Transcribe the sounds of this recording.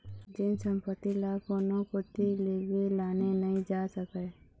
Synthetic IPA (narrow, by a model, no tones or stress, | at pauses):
d͡ʒɪnsəmpət̪ːilaːkonõkʊt̪ːileːɡelaːnenəĩd͡ʒaːsəkeː